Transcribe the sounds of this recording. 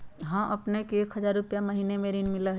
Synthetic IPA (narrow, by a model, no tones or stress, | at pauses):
ɦə̃ʔɐpnekeeːkʰɦəzaːɾːʊpjaməɦiːnemeɾinmɪləɦ